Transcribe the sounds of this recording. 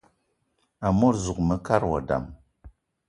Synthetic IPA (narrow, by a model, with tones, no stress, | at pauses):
a˨mo˦ɾzu˨kmə˨ka˦ɾwa̰˨da̰˨m